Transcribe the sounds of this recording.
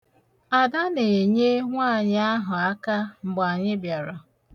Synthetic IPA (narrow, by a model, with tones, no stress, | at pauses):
a˨da˦ne˨ɲe˦ŋʷa˦˨ɲ˦a˦ɦʊ˨a˦ka˦ŋ͡m̩˨ɡ͡ba˨ɲɪ˦bja˨ɾa˨